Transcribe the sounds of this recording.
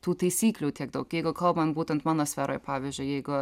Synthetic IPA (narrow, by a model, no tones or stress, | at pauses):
t̪uːt̪ɐɪsʲiːklʲuːt̪ʲiɛɡd̪ɐʊkjɛɪɡʊkɐlˠbɐmbuːt̪ʲɛnt̪mɑːnoːsʲfʲæːɾoːjpɑːʋʲizʲd͡ʒʲʊɪjɛɪɡʊ